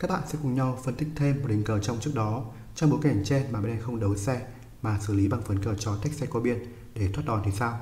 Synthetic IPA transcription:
kaː˦˥k̚ɓa̰ː˧˨nsɛ̰˧˥kʊ˨˩ŋ͡mɲa˧wfə˧nt̪ï˦˥k̚t̪ʰe˧mː˨˩t̚ɗï˨˧˩ŋ̟kəː˧˩t͡ɕɔ˧wŋ͡mt͡ɕɨ˦˥ək̚ɗɔ˨˦ | t͡ɕɔ˧ŋ͡mɓo˨˦jka˧˩t͡ɕɛ˧nmaː˨˩ɓa˧˨nʔɛ˧xə˧wŋ͡mɗə˨˦wsɛ˧ | maː˨˩sɨ˧˩li˨˦ɓa˨˩ŋfə˨˦nkəː˧˩t͡ɕɔ˧t̪ʰa˦˥k̚sɛ˧ka˧˩ɓi˧ən | ɗe˧˩t̪ʰwaː˦˥t̚ɗɔ˨˩nt̪ʰi˨˩saː˧w

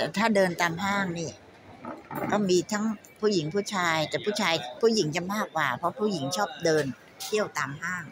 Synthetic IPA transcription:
t̪ɛ˨˩t̪ʰaː˥˩dɤː˧nt̪aː˧mɦaː˥˩ŋniː˥˩ | kɔː˥˩miː˧t̪ʰa˦˥ŋ | pʰuː˥˩ji˩˦ŋpʰuː˥˩t͡ɕʰaː˧jt̪ɛː˨˩pʰuː˥˩t͡ɕʰaː˧jpʰuː˥˩ji˩˦ŋt͡ɕa˨˩maː˥˩kːwaː˨˩pʰɾɔ˦˥pʰuː˥˩ji˩˦ŋt͡ɕʰɔː˥˩p̚dɤː˧n | t̪ʰi˥˩əwt̪aː˧mɦaː˥˩ŋ

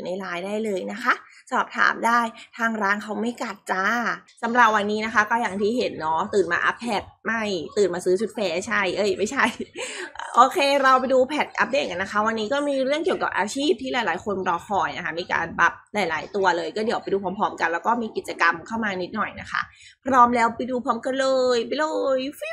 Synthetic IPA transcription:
na˧jlaː˧jdaː˥˩jlɤː˧jna˦˥kʰa˦˥ʔsɔː˨˩p̚t̪ʰa̰ː˩˦mdaː˥˩jt̪ʰaː˧ŋɾaː˦˥ŋkʰa˦˥wma˥˩jka˨˩t̪̚t͡ɕaː˧˥sa˨˦mɾa˨˩p̚wa˧nːiː˦˥na˦˥kʰa˦˥kɔː˥˩jaː˨˩ŋt̪ʰiː˥˩ɦe˨˩˦nːɔ˦˥t̪ɯː˨˩nma̰ː˧ʔa̰˦˥p̚ʰːɛ˨˩t̪̚ma˥˩jt̪ɯː˨˩nmaː˧sɯː˦˥t͡ɕʰu˦˥t̪̚fɛː˦˥t͡ɕʰa˥˩jʔɤː˧˩jma˥˩jt͡ɕʰa˥˩j | ʔoː˧kʰeː˧ɾa˧wpa˧jduː˧pʰɛ˨˩t̪̚ʔa̰˦˥p̚deː˧˩ka˧nːa˦kʰa˦˥wa˧nːiː˦˥kɔː˥˩miː˧ɾɯ˥˩ŋki˨˩əwka˨˩p̚ʔaː˧t͡ɕʰiː˥˩p̚t̪ʰiː˥˩laː˨˦jlaː˨˦jkʰo˧npɾɔː˧xʰɔː˨˩jna˦˥kʰa˦˥˩miː˧ka̰ː˧nba˦˥p̚laː˨˩˦jlaː˩˦jt̪u˧ɐlɤː˧jkɔː˥˩di˩˦wpa˧jduː˧pʰɔː˧˦mpʰɔː˦˥mka˧nlɛː˦˥wkɔː˥˩miː˧ki˨˩t͡ɕa˧ka˧mkʰa˥˩wmaː˧ni˦˥t̪̚nɔ˨˩jna˦˥kʰa̰˦˥˩ | pʰɾɔː˦˥mlɛː˦˥wpa˧jduː˧pʰɔː˧˥mka˧nlɤː˧jpa˧jlɤː˧j

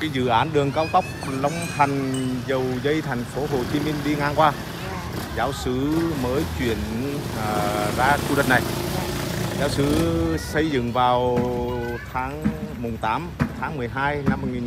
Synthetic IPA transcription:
kaː˨˦jzɨ̰˧˨ʔaː˨˦nɗɨ˨˩əŋkaː˧wt̪ə˦˥wk͡p̚lə˧wŋ͡mt̪ʰa˨˩jŋ̟zə˨˩wzə˧jt̪ʰɛ˨˩jŋ̟fo˨˦ɦo˨˩t͡ɕi˨˦mï˧ŋ̟ɗi˧ŋaː˧ŋkwaː˧ | zaː˨˦wsɨ˨˦məː˨˦jt͡ɕwi˧˩˨ən˩ | zaː˧t͡ɕu˧ɗḭ˨˧˨ŋnːa˨˩j | zaː˨˦wsɨ˨˦sə˧jzɨ̰˧˨ŋvaː˨˩w | t̪ʰaː˨˦ŋmʊ˨˩ŋ͡mt̪aː˨˦mt̪ʰaː˨˦ŋmɨ˨˩əjɦaː˧jna˧m̚ː˨˩ŋi˨˩

